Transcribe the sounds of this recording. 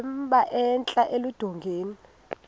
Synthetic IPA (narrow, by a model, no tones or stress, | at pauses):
mɓaʔɛnt͡ɬʼaʔelud̥ʱɔŋɡʱeːni